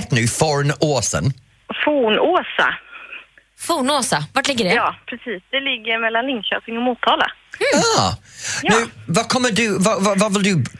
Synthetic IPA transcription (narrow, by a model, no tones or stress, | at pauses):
t̪nʉːfɔɹənoːsə̰n | fuːnoːsa̰ | fuːnoːsavaʈlɪɡːəɖɛjɑːpʰɾɛsiːsd̪̥ɛlɪɡːəɾmɛlːanlɪŋɕøːpɪŋɔmuːt̪ʰːɑːla̰aː | nʉːvɑkʰɔmːədʉvɑvɑvɑvɪld̪ʉ